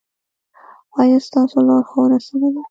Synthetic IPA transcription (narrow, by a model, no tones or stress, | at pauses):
wɑjɑst̪ɑsolɑɾxawənasawela